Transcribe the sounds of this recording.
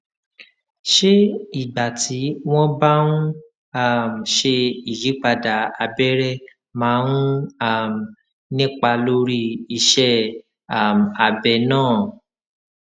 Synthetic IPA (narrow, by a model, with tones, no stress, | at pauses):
ʃe˦i˦˨ba˨ti˨˦w̃ɔ̃˦ba˦nũ˦ | a˦˨m˨ʃe˧i˨ji˨˦k͡pa˧da˨a˧bɛ˦ɾɛ˦ | mãː˨˦nũ˦a˦˨m˨ | nĩ˦k͡pa˧lo˦ɾi˦i˧ʃɛ˦ | a˦˨m˨a˨bɛ˧nãː˦˨